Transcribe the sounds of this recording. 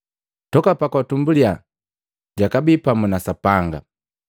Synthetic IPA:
tɔkapakwatumbulia | ɟakabipamunasapaŋɡa̰

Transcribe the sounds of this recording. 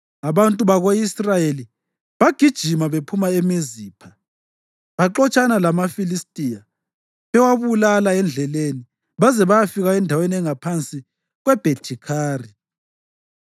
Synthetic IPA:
aβantʼuβaɣoisrajeli | βaɡ̥ʱid̥ʒ̥ʱimaβepʰumaemiziːpʰa | βaǃɔt͡ʃʼanalamafilistʼija | ɛwaβulalaɛnd͡ɮʱɛleni | βazɛβajafiɣaɛndʱaweniɛŋapʰant͡sʼi | ɣwɛb̥ʱetʰikʰaːri

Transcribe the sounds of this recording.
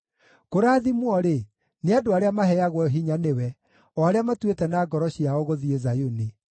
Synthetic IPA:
koɾaːðimwɔɾe | neadoaɾeamaɦɛaɣwɔɦiɲanewɛ | ɔaɾeamatwetɛnaːɡɔɾɔɕiaɔɣoðiezajone

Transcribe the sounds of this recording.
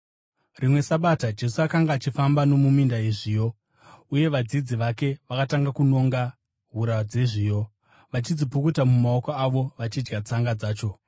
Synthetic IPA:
rimwe̞saɓatad͡ʒe̞suakaŋɡaːt͡ʃifambano̞mumindaiʐijo̞ | uje̞ʋad͡zid͡ziʋake̞ʋakataŋɡakuno̞ŋɡa | ɦuɾad͡zeʐiːjo̞ | ʋat͡ʃid͡zipokutamumaokoaʋo̞ʋat͡ʃid͡ʒɡat͡saŋɡad͡zaːt͡ʃo̞

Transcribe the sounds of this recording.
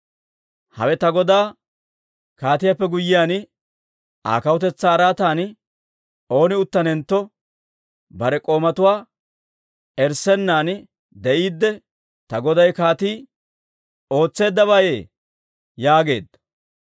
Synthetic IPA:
hɐ̰wɛt̪ɐɡɔd̪aː | kaːt̪ɪjapːɛɡʊjːɪjaːn | ʔa̰ːkɐwʊt̪ɛt͡sːaːɾaːt̪aːn | o̞ːnɪʊt̪ːɐnɛnt̪ːɔ | bɐɾɛkʼo̞ːmɐt̪ʊwaː | ɛɾsɛnːaːn | d̪ɛʔiːd̪ːɛ | t̪ɐɡɔd̪ɐjkaːt̪iː | o̞ːt͡sːe̞ːd̪ːɐβaje̞ː | jaːɡe̞ːd̪ɐ

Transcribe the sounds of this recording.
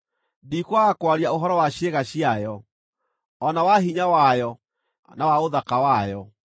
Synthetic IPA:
dikwaːkwaɾiaoɦɔɾɔwaɕeɣaɕiajɔ | ɔnawaɦiɲawajɔ | nawaoðakawajɔ

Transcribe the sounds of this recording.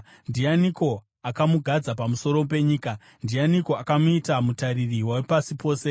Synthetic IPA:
ndijaniko̞ | akamuɡʱad͡zapamuso̞ɾo̞p̬e̞ɲiːka | ndianiko̞akamuitamutaɾiriwawepasipo̞ːse̞

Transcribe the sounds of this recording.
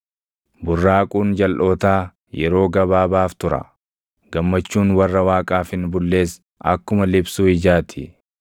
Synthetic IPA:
bʊrːaːkʼuːnd͡ʒɐlʔo̞ːt̪aː | jɛɾo̞ːɡɐbaːbaːft̪ʊɾɐ̰ | ɡ̥ɐmːɐt͡ʃːuːnwɐrːɐwaːkʼaːfɪnbʊlːe̞ːs | ʔɐ̰kːʊmɐlɪbsuːɪd͡ʒaːt̪ʰɪ

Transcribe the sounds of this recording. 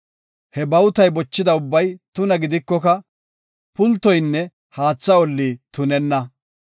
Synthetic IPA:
hɛbɐwt̪ɐjbɔt͡ʃːɪd̪ɐʊbːɐjt̪ʊnɐɡɪd̪ɪkːɔkɐ | pʊlt̪ːɔjnːɛ | haːt͡sːɐɔlːit̪ʊnɛnːɐ

